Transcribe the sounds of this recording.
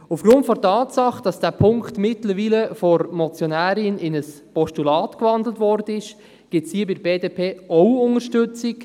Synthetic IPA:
ufɡ̥ɾʊntfɔɾtɑːtsɑχd̥ɑsd̥æːpʰʊŋktmɪtləɾʋiːləfɔɾmɔt͡sjɔnæːɾiənɪnəs | pɔʃtulɑːtkvɑndlətvɔɾd̥ənɪʃ | ɡ̥ɪtshiəbɪdbeːdeːpʰeːɔwʊŋəɾʃtʏt͡sɪk

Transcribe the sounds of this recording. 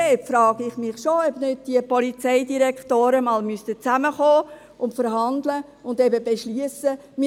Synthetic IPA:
ɛpfɾɑːɡ̥ɪχmɪχʃoœbnød̚d̥iəpɔlit͡sɛɪdiɾɛkχtoːɾəmɑːlmystət͡sæməχoː | ʊntfəɾɦɑnd̪lə | ʊndɛbəbeʃliəsə | mɪ

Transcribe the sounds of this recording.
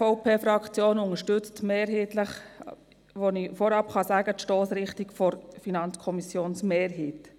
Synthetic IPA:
fɔʊpʰeːfɾɑkt͡sjoːnʊŋəʃtʏt͡stmeːɾɦɛːtləχ | ʋonifɔɾɑpχɑsæːɡətʃtoːsɾɪχtikfɔɾfinɑnt͡skʰɔmisjoːnsmeːɾɦiːt

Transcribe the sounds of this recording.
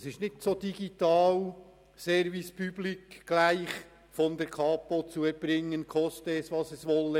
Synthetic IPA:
sɪʃtnɪtsoːd̥iɡitɑːl | sɛɾvispyb̥likɡ̥laɪχ | fɔnd̥ɛɾkʰɑːpot͡suɛb̥ɾɪŋːənkʰɔstəɛsʋɑsɛsʋɔlːə

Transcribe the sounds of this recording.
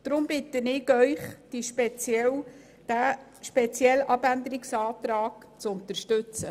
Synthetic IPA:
d̥ɾʊmbɪtənɪkœʏχd̥iʃpɛt͡sjɛl | d̥æ | ʃpɛt͡sjɛlɑbænd̪əɾɪksɑːt̪rɑːɡ̥ | t͡sʊnt̪əɾʃtʉt͡sə

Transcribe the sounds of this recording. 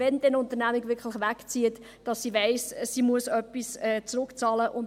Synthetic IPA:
ɛnd̪ɛnʊnt̪əɾnæmiɡvʋɪɾkʰləχʋækt͡siət | d̥ɑsːiʋeɪssimuəsœpːisɛːt͡sɾʊkt͡sɑːləʔʊn

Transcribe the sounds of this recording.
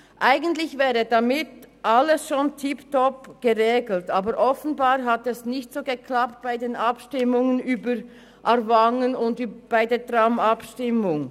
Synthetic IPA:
ʔaɪɡəntlɪçvɛːʁədamɪtʔalːəsʃoːntʰiptɔpɡ̥əʁeːɡl̩taːbəɾʔɔfn̩baːɾɦatɛsnɪçtz̥oːɡəkʰlapt̚b̥aɪdeːnɑpʃtɪmʊŋənyːbəɾ | ʔaɾvaŋənʊndyːbb̥aɪdeːdʁamɑpʃtɪmʊŋ

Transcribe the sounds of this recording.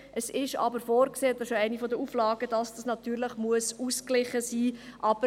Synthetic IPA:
ʔəsɪʃɑ̰bəɾfoːɾkseːɛt̪ɑʃoæɪnifɔdəuːflɑːɡədɑsd̥ɑsnɑt̪yːɾləχmuəsusklɪχəsiːʔɑb̥ə

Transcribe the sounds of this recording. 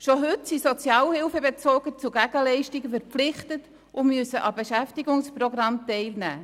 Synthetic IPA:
ʃoɦʏtsisɔt͡sjɑːlhɪlfəbet͡soːɡət͡suɡ̥æɡəlɛɪʃtɪɡəfɛɾpflɪχtət | ʊmyəsəʔɑbeʃæftɪɡʊŋsprɔɡrɑmtɛɪlnæː

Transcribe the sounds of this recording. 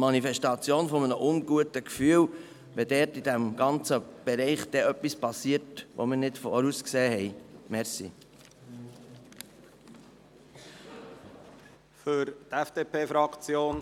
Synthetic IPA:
mɑnifɛstɑt͡sjoːnfɔmənəʔʊnɡuətəkfyːl | ʋɛdɛːɾtid̥æmɡ̥ɑnt͡səb̥ɛɾɛɪχd̪̥ɛʔœpːispɑsiːəɾtʋo̰məɾnɪtfoɾuskseːhɛɪmɛɾsḭ | fʏɾt̪ɛfd̥eːpʰeːfɾɑkt͡sjoːn

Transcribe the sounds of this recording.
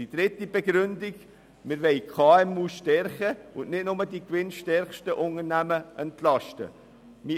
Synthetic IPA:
id̥ɾɪt̪ːibɛɡɾʏndɪɡ | mɪɾʋɛɪkʰχɑːɛmuːʃtɛɾχəʊnnɪdnʊmədikʋɪnʃtɛɾχʃtəʔʊŋəɾnæməʔɛntlɑʃtə̰ | mi

